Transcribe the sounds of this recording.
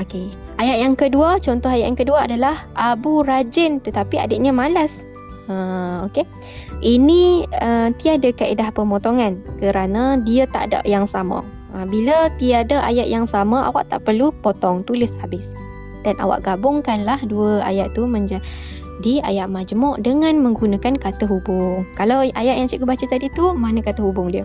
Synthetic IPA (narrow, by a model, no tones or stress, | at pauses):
oke | ajaʔ̪̚jaŋkəduət͡ʃɔnt̪ɔɦajaʔjaŋkəduaadalahʔabuɾad͡ʒənt̪ət̪apia̰dəʔɲamalas | əoke | ʔiniət̪iadakaʔedahpəmot̪oŋankəɾanãdiat̪a̰ʔda̰ʔjaŋsamã̰ | əbilət̪iadaʔa̰jaʔjaŋsamaa̰wa̰ʔt̪a̰ʔpərlupot̪ɔŋt̪ulɪshabɪs | d̥ana̰wa̰ʔɡabʊŋkanlahduəa̰jaʔt̪umə̃ɲd͡ʒa | dia̰jaʔmad͡ʒəmɔʔdəŋãnmə̃ŋɡunãkankat̪əɦubʊŋkalawajaʔjaŋsiʔkəbat͡ʃət̪adit̪umanakat̪əhubʊŋdiə